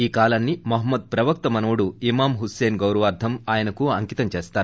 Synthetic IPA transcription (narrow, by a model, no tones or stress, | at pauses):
iːkaːlaːnːimɐɦɐmːɐd̪̚pɾɐʋɐk̚t̪ɐmɐnɐʋuɽuimaːmɦuseːnɡɐwɾɐʋaːɾd̪ʱʰɐmaːjɐnɐkuɐŋkit̪ɐmt͡ʃeːst̪aːɾu